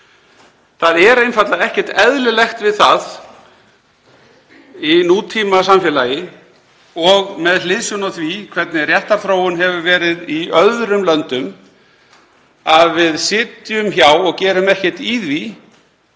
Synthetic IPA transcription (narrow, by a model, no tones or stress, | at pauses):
θaðɛɾejnfat̪laðɛhcɛ̥t̪ɛðlʏlɛxt̪vɪðθað | inuːt̪ʰiːmasamfjɛlaːjɪ | ɔɣmɛðlɪðsjɔnɔθvikʰvɛt̪̚nɪrjɛht̪aɾθɾoːwʏnɦɛvʏvɛːɾɪðiœðɾʏmlœnt̪ʏm | aðvɪðsɪːt̪jʏmçawɔɣcɛːɾʏmɛhcɛ̥t̪iːðvi